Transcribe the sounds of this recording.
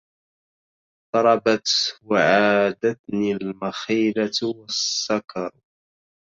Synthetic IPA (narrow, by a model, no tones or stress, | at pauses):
t̪ˤɑɾˤɑbat̪waʕaːd̪at̪nilmaxiːlat̪wassːakɑɾˤ